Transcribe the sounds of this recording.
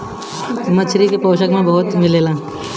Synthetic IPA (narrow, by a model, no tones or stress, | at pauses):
mət͡ʃʰɾikepoːʃəkmẽbɐɦʊt̪mɪleːlãː